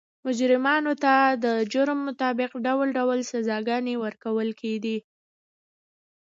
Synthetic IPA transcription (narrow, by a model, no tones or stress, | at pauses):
mʊd͡ʒɾɪmɑnot̪ad̪əd͡ʒʊɾmːʊt̪ɑbɪqɖawlɖawlsazɑɡɑnewəɾkawəlkʰeɡi